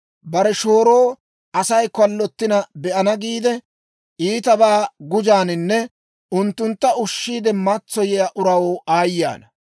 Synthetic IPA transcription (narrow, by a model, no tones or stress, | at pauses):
bɐɾɛʃo̞ːɾoː | ʔɐsɐjkɐlːɔt̪ːɪnɐbɛʔɐnɐɡiːd̪ɛ | ʔiːt̪ɐbaːɡʊd͡ʒaːnɪnːɛ | ʊnt̪ːʊnt̪ːɐʊʃːiːd̪ɛmɐt͡sːɔjɛjaʔʊɾɐwoːʔaːjːa̰ːnɐ